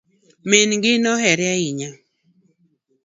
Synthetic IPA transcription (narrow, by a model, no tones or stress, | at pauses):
menŋɡɪnɔhɛɾjaiɲa